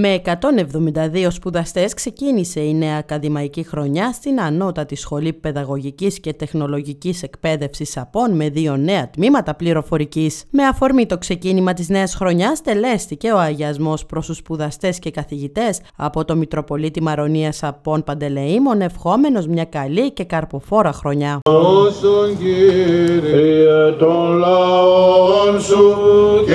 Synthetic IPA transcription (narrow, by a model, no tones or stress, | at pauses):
me̞ːkɐt̪o̞ne̞vðo̞mind̪ɐðio̞spuðɐst̪e̞skse̞cinise̞ine̞ɐːkɐðimɐicixɾo̞ɲɐst̪inɐno̞t̪ɐt̪isxo̞lipe̞ðɐɣo̞ʝicisce̞t̪e̞xno̞lo̞ʝicise̞kpe̞ðe̞fsisɐpo̞nme̞ðio̞ne̞ɐt̪mimɐt̪ɐpliɾo̞fo̞ɾicisme̞ɐfo̞ɾmit̪o̞kse̞cinimɐt̪izne̞ɐsxɾo̞ɲɐst̪e̞le̞st̪ice̞o̞ɐʝɐzmo̞spɾo̞st̪uspuðɐst̪e̞sce̞kɐθiʝit̪e̞s | ɐ̰po̞t̪o̞mit̪ɾo̞po̞lit̪imɐɾo̞niɐsɐpo̞npɐnd̪e̞le̞imo̞ne̞fxo̞me̞no̞zmɲɐkɐlice̞kɐɾpo̞fo̞ɾɐxɾo̞ɲɐsoɲɟiɾiet̪olo | onsu